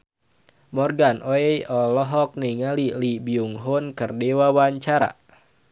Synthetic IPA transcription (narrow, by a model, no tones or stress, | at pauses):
mɔrɡanʔɔɛjɔlɔɦɔk̚niŋalilibiuŋɦunkərdewawaɲt͡ʃaɾa̰